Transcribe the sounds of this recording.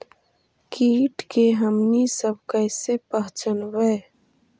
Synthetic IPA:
kiːʈkeɦɐmnisəb̚kəjsepɐɦt͡ʃənwej

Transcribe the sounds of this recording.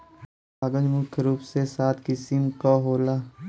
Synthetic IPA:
aːɡə̃ɲd͡ʒmʊkʰjɾuːpsesaːt̪ʰkɪsɪmkaɦoːlaː

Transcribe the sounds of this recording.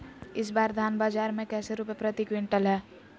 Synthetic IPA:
ɪs̬baːɾd̪ʱaːnbaːd͡ʒaːɾmẽkɛːseɾuːpepɾət̪ikwɪ̃ɳʈəlɦɛː

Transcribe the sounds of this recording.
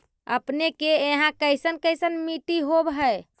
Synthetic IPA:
ə̰pnekeeɦãkəjsənkəjsənmiʈiɦobɦəj

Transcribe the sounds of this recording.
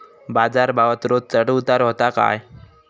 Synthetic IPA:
bad͡zaɾbaʋət̪ɾot̪̚t͡səʈut̪aɾɦɔt̪aka̰j

